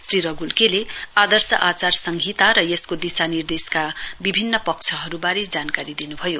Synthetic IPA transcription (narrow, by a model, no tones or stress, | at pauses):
sriɾʌɡulkelead̪ʌrsʌʔat͡sarsʌŋɡʱit̪aɾʌjeskod̪isanird̪eskabibʱinːʌpʌk̚t͡sʰʌɦʌɾubaɾid͡zankaɾid̪inubʱʌjo